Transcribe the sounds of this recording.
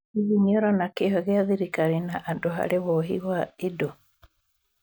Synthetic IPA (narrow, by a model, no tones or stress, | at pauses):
iɣiɲɔɾɔnakeɦɔɣeaðiɾikaɾinaʔandoɦa̰ɾewɔɦḭwaido